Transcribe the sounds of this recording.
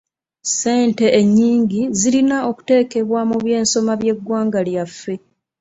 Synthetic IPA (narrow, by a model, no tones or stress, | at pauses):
se̞ːnte̞ːɲːiːŋɟizilinao̞ku̥te̞ːke̞βwamuβje̞ːnso̞maβje̞ɡwaːŋɡaljafːe̞